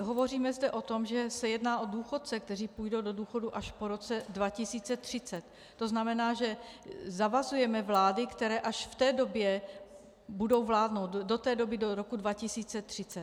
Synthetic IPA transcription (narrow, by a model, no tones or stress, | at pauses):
ɦovo̞riːmɛzdɛʔo̞t̪o̞mʒɛsɛjɛdnaːʔo̞duːxot̪̚t͡sɛk̚t̪ɛriːpujdo̞wdo̞duːxo̞duʔaʃpo̞ɾo̞t͡sɛdvacɪsiːt͡sɛt̪r̥ɪt͡sɛt̪ː | o̞znamɛnaːʒɛzavazujɛmɛvlaːdɪkt̪ɛɾɛːʔaʃft̪ɛːdo̞bjɛ | budo̞wvlaːdno̞wt̪do̞t̪ɛːdo̞bɪdoɾo̞kudvacɪsiːt͡sɛt̪r̝̥ɪt͡sɛ